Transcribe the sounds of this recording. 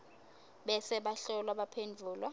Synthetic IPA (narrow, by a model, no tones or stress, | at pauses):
ɓɛsɛɓaɬɔlwaɓapʰend͡vʱuːlwa